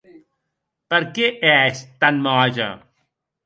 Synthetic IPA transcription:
pɐɾkeʔɛːɕt̪ɐnmaːd͡ʑɐ̰̃

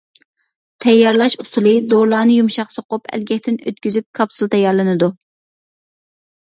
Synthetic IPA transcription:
t̪ʰɛjːɑɾlˠɑʃusulˠɨd̪oɾlˠɑːnɨjumʃɑqsoqʊpʰɛ̰lɡʲɛkʲt̪ɪnø̰t̪̚kʲyzyp̚kʰɑpsulˠt̪ʰɛjɑɾlˠɨnɨd̪u

